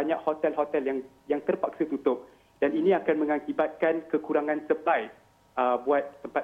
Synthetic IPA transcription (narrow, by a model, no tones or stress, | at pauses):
aɲãʔhot̪ɛlɦot̪ɛljaŋ | jaŋt̪ərpak̚sat̪ut̪ʊp̚ | daninĩakanmə̃ŋakibat̪̚kankəkuɾaŋãnsəplajf̚ | əbuat̪̚ːəmpat̪